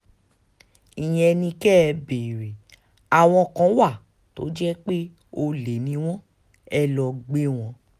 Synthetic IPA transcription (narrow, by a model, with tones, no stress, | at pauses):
ĩ˨j̃ɛ̃˨˧ɛ˧nĩ˧kɛ˦˧beː˨ɾe˨ | a˨w̃ɔ̃˧˨kã˨˦wa˦˨ | to̰˨˦d͡ʒɛ˦k͡pe˦ | o˧le˨˦nĩ˧˦w̃ɔ̃˦ | ɛ˦lɔ˧ɡ͡be˦w̃ɔ̃˧˦